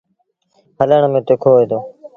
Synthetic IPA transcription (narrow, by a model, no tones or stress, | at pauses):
ɦələɳəmẽːt̪ʊkʰoːeːd̪oː